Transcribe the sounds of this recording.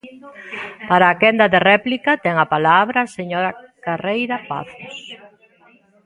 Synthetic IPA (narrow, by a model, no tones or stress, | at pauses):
paɾaːkɛnd̪ɐðerɛplikɐt̪ɛŋɐpalaβɾɐseɲoɾakarejɾɐpa̰θʊs